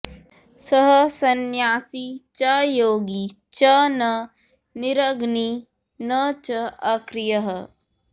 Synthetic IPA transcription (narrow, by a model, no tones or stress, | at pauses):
sɐɦəsɐnjaːsit͡ʃɐjoːɡi | t͡ʃɐnɐ | nɪɾəɡni | nɐt͡ʃɐɐkɾɪjɐɦə